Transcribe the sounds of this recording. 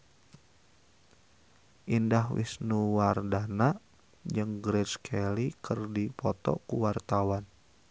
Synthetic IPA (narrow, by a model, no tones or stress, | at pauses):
ʔindahwḭsnuwardana | d͡ʒɨŋɡɾɛt͡ʃkʰɛlikərdipɔt̪ɔ̰kuwart̪awan